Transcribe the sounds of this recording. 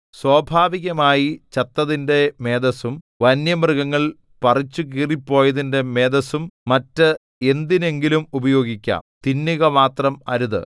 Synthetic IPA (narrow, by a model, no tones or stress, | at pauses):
swoːbʱaːʋiɣɐmaːjit͡ɕɐt̪ːɐðinde̞meːd̪ɐsum | ʋɐnjɐmrɨɣɐŋːɐɭ | pɐrit͡ɕːuk̬iːripːo̞ːjɐðinde̞me̞ːd̪ɐsummɐtːɨ | e̞nd̪ine̞ŋɡilumubɐjo̞ːɡikʲːa̰ːmt̪inːiɣɐmaːt̪rɐmɐɾuðɨ̰